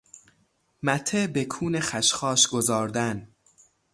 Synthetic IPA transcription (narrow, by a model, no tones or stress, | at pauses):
mæt̪ʰebekʰuːne̞xæʃxɒːʃɡo̞zɒːɾd̪æn